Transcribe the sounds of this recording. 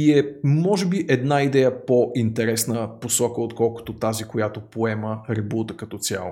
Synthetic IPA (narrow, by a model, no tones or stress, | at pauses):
iɛmɔʒɛbiʔɛd̪naid̪ɛjəpoʔint̪ɛɾɛsnəposɔkəot̪kɔlˠkʊ̥t̪ot̪azikojat̪opoɛməɾɛbut̪əkɐt̪ɔt̪sʲja̰lˠo